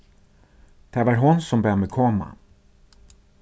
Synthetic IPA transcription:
d̪̥ævaɾɦʊnsɔmbœamɛkʰɔma̰

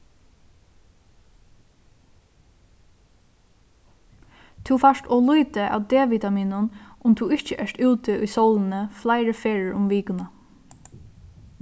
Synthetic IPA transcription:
t̪ʰufaʂtɔːluːt̪əʔa̰ːwd̪eːʋiːt̪amiːnʊnʔʊmt̪ʰuːɪht͡ʃəʔɛʂt̪ʉːt̪ɪʊjsowlɪnəflaɪɾəfeːɹəɹʊmʋiːkʊna

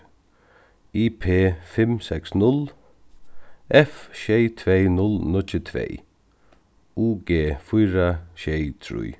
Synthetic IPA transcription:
iːpʰeːfɪmsɛksnʊl | ʔɛfʃɛjt̪ʰvejnʊlnʊt͡ʃːɪt̪ʰvḛːj | uːɡeːfʊjɾaɕejt̪ʰɾṵj

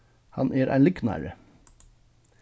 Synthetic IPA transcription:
hɑ̰nʔeːɾʔæ̰ɪnlʏknæ̰ːɾə

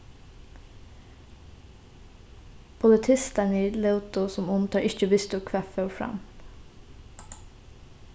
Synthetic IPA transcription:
pʰʊlət̪ʰɪst̪əniːləʊt̪ʊsɔmʊmt̪ʰɑːɹʔɪçəʋɪst̪ʊkʰʋæfœːfɹɑ̰m

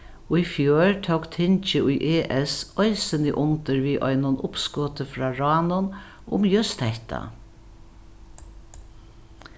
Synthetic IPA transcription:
ʊifjøːɹt̪ʰowkt̪ʰɪnt͡ʃɪʊjʔeːʔɛsɔɪsənɪʔʊnt̪əɹʋiːʔɔ̰jnʊnʔʊpskɔːt̪əfɾɑːɹɑːnʊn | ʊ̰mjʏst̪hɛht̪a̰

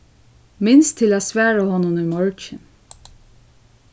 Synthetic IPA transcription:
mɪnst̪ʰɪlæːsʋæːɹahɔnʊnujmɔɹt͡ʃɪn

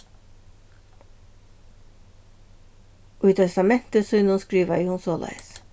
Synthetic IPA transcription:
ʊʏt̪ʰɛst̪ɑmɛn̥t̪əsʏʏnʊnskɾiːʋajʊhʊnsoːlæ̰ɪs

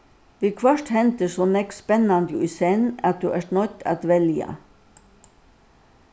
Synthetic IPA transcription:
ʋiːkʰʋœʂʈhɛnt̪əsoːnɛkspɛnand̪ʊiːsɛnɑ̰t̪̚d̪ʉːʔæːʂɳɔt̪ːa̰t̪ʋɛljə̰

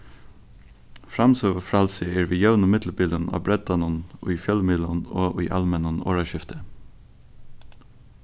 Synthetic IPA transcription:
fɹɑmsoːʋəfɹɑlsɪɛɹʋiːjœʉnəmɪt̪lbiːlənɑ̰ːbɹɛd̪ɑnənʔʉ̰ːfjœlmiːlənoːʔʉ̰ːʔɑ̰lmɛnəno̰ːɹɑʃɪft̪ə

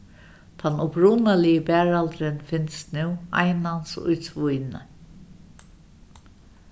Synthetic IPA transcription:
t̪ʰanʊpɾuːnalɪjəbæːɹalt̪ɾɪnfɪnst̪nʉwa̰jnansʊ̰jt̪ʰvʊjnə̰

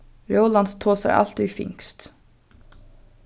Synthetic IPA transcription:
ɾowland̪t̪ʰoːsɛjʔa̰lt̪fɪ̰ŋst̪

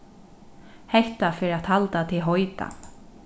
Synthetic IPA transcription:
hɛht̪afɪːɾat̪halt̪at̪ʰɪlɦɔjt̪a̰

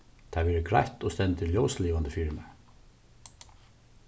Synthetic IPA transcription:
t̪ʰɑʋɛːɾɪɡɾa̰jht̪ɔst̪ɛnt̪ʰɪljoːwsliːʋand̪əfiːɾɪmɛ̰

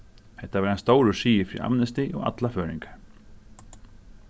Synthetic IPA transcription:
hɛht̪ːavaɾanst̪oːwɾʏsiːjɪfɾḭʔa̰mnɛst̪ɪʔɔɣa̰t̪lafœːɾḭŋkḁɾ̥

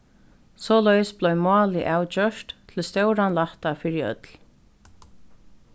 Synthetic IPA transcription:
sɔːlœjsblɔɥmɑːlɪʔaːwt͡ɕœʃt̪t̪ʰɪlst̪œwɾanlaht̪afɪːɾɪœ̰t̪l

